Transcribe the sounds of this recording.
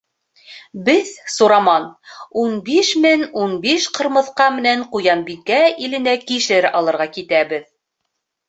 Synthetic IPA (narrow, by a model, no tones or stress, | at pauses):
bɘðsuɾɑmɑnunbiʃmɘnunbiʃqɤ̆ɾmɤ̆θqɑmɘ̆næɴqujɑmbikæilɘ̆nækiʃɘɾɑlˠɤ̆ɾʁɑkit̪æβɘð